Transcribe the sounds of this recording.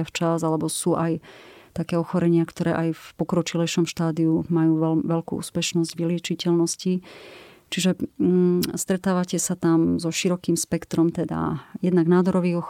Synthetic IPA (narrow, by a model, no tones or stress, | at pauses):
aft͡ʃazalɛbɔsuːʔajt̪akɛːɔxɔɾɛɲɪakt̪ɔɾɛ̰ːʔajfpɔkɾɔt͡ʃilɛjʃɔmʃt̪aːd̪iumajuːʋɛʋɛlkṵṵːspɛʃnɔzɟʋilɪɛt͡ʃicɛlnɔsci | t͡ʃiʒɛ | st̪ɾɛt̪aːʋacɛsat̪amzɔʃiɾɔkiːmspɛkt̪ɾɔmt̪ɛd̪a̰jɛd̪naɡnaːd̪ɔɾɔʋiːɣɔx